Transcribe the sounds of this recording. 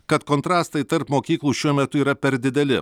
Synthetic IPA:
kɐt̪koːnt̪ɾɑːst̪ɐɪt̪ɐɾpmoːkʲiːklˠuːʃʲuɔmʲɛt̪ʊiːɾɐpʲɛɾd̪ʲɪd̪ʲɛlʲɪ

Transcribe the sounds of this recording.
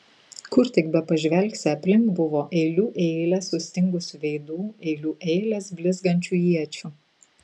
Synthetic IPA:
kʊɾt̪ʲɪkbʲɛpɐʒʲʋʲɛlʲksʲɪɐpʲlʲɪŋkbʊʋoːʔɛɪlʲuːʔɛɪlʲɛsʊsʲt̪ʲɪŋɡʊsʲʋʲɛɪd̪uːɛɪlʲuːʔɛɪlʲɛsbʲlʲɪzɡɐnʲt͡ʃʲuːjiɛt͡ʃʲu

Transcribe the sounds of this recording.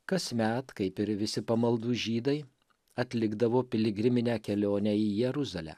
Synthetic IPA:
kɐsmʲæt̪kɐɪpɪɾʋʲɪsʲɪpɐmɐlˠd̪uːʒʲiːd̪ɐɪ | ɐt̪ʲlʲɪɡd̪ɐʋoːpʲɪlʲɪɡɾʲɪmʲɪnʲæːkʲɛlʲoːnʲɛijɛɾʊzɐlʲæ̰ː

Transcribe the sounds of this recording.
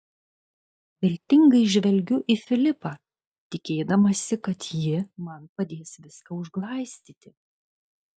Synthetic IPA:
ʋʲɪlʲt̪ʲɪŋɡɐɪʒʲʋʲɛlʲɡʲʊʔifʲɪlʲɪpɑ | t̪ʲɪkʲeːd̪ɐmɐsʲɪkɐt̪jɪmɐnpɐd̪ʲeːsʋʲɪskɐʊʒɡlˠɐˑɪsʲt̪ʲiːt̪ʲɪ

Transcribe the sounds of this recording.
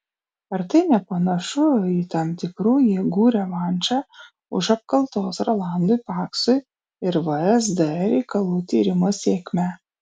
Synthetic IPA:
ɐɾt̪ɐɪnʲɛpɐnɐʃʊit̪ɑmt̪ʲɪkɾuːjɛɡuːɾʲɛʋɑnʲt͡ʃʲɑ | ʊ̰ʃɐp̚kɐlˠt̪oːsɾoːlˠɑˑnd̪ʊjpɑːksʊj | ɪɾʋɐɾʲɛs̬d̪ɐɛɾʲɛɪkɐlˠuːt̪ʲiːɾʲɪmoːsʲeːkʲmʲæ

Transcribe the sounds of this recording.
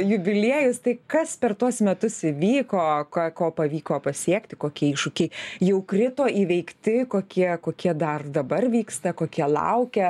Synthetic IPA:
jʊbʲɪlʲiɛjʊst̪ɐɪkɐspʲɛrt̪uɔsmʲɛt̪ʊsɪʋʲiːkoːkɐkoːpɐʋʲiːkoːpɐsʲiɛkt̪ʲɪkoːkʲiɛiːʃʊkʲɛɪjɛʊkrʲɪt̪oːʔiːʋʲɛɪkt̪ʲɪkoːkʲiɛkoːkʲiɛd̪ɐrd̪ɐbɐrʋʲiːkst̪ɐkoːkʲiɛlˠɐ̰ʊkʲɛ

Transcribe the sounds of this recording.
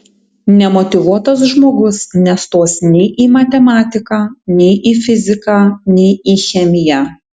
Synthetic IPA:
nʲɛmɔt̪ʲɪʋuɔt̪ɐs̬ʒmoːɡʊsnʲɛst̪oːsnʲɛɪʔiːmɐt̪ʲɛmɑːt̪ʲɪkɑːnʲɛɪʔiːfʲɪzʲɪkɑːnʲɛɪiːxʲɛmʲɪjæː

